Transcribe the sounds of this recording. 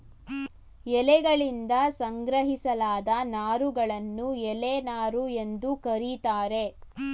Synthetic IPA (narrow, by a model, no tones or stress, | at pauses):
ɛlɛɡɐɭind̪ɐsɐŋɡɾɐɦisɐlaːd̪ɐnaːɾuɡɐɭɐnːuɛlenaːɾue̞nd̪ukɐɾit̪aːɾe̞